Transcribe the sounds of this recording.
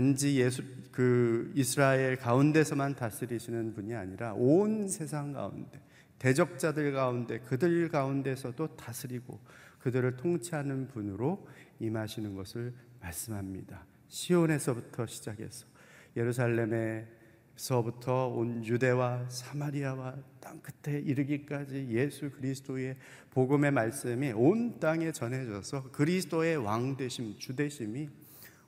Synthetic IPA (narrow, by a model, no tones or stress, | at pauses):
and͡ʑijekɯisʰɯɾaeɭkaunde̞sʰʌmantas͈ʰɯɾiɕʰinɯnpuɲiaɲiɾaʔonsʰe̞sʰaŋɡa̰ṵnde̞ | te̞d͡ʑʌk̚t͡ɕ͈adɯɭɡaunde̞kɯdɯɭɡaunde̞sʰʌdotasʰɯɾiɡo̰kɯdɯɾɯɭtʰoŋt͡ɕʰiɦanɯnpunɯɾoimɦaɕʰinɯnɡʌsʰɯɭmaɭs͈ɯmɦamɲida | ɕʰione̞sʰʌbutʰʌɕʰid͡ʑaɡe̞̰sʰʌ̥ | je̞ɾus̬ʰaɭːe̞me | sʰʌbutʰʌonjude̞wasʰamaɾiawat͈aŋk͈ɯtʰe̞iɾɯɡik͈ad͡ʑije̞sʰukɯɾisʰɯ̥t͈ʰoe̞ | poɡɯme̞maɭs͈ɯmiont͈aŋe̞t͡ɕʌnɦe̞d͡ʑʌsʰʌkɯɾisʰɯ̥t͈oe̞waŋde̞ɕʰimt͡ɕude̞ɕʰimi